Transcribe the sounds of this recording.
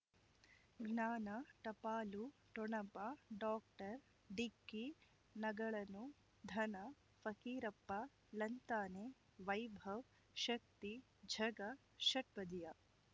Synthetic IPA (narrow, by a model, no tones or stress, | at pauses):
ɡnaːnɐʈɐpaːluʈɔɳɐpaɖaːk̚ʈɐɾ | ɖikːi | nɐɡɐɭɐnu | d̪ʱɐnɐ | fɐkiːɾɐpːa | lɐnt̪aːne | ʋɐjbʱɐʋ | ʃɐk̚t̪i | d͡ʒʱɐɡɐ | ʃɐʈ̚pɐd̪ija